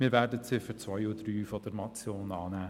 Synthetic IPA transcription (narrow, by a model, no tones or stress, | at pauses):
miːɾvɛːdət͡sɪfət͡svœjudryːfɔdəɾmɑt͡sjoːnɑːnæː